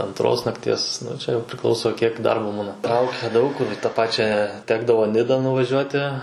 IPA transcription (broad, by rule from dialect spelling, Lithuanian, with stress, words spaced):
ɐnˈtroːs nɐkˈtʲiɛs ˈnʊ t͡ʃʲɛ jɛʊ pʲrʲɪˈklˠɐʊsoː kʲiɛk ˈdɐrboː ˈbuːnɐ ˈtrɐʊkʲɛ ˈdɐʊk kʊr ɪ tɑː ˈpɑːt͡ʃʲæː ˈtʲæːɡdɐʋoː ˈnʲɪdɐ nʊʋɐˈʒʲuɔtʲɪ